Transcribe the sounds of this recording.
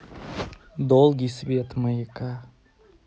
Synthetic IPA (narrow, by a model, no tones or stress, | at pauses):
d̪olˠɡʲisbet̪məjika